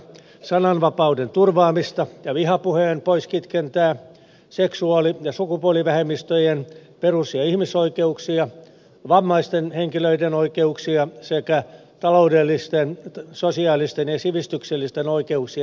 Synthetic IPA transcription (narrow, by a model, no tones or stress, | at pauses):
sɑnɑnʋɑpɑudent̪urʋɑːmist̪ɑjɑʋihɑpuheːnpoiskit̪kent̪æː | seksuɑːlijɑsukupuoliʋæhemːist̪øjenperusiɑihmisoikeuksiɑ | ʋɑmːɑist̪enheŋkiløidenoikeuksiɑsekæ | t̪ɑloudelːist̪ensosiɑːlist̪enjɑsiʋist̪ykselːist̪enoikeuksiɑ